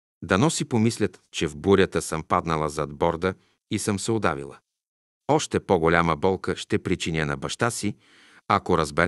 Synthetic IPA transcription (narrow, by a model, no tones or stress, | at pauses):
d̪ɐnɔsipomislʲət̪t͡ʃɛvbuɾʲət̪əsəmpad̪nəlˠəzɐd̪bɔɾd̪ə | isəmsɛod̪a̰vḭlˠə̰ | ɔʃt̪ɛpoɡolʲaməbɔlˠkəʃt̪ɛpɾit͡ʃinʲənɐ̰bɐʃt̪asi | akoɾəzbɛɾ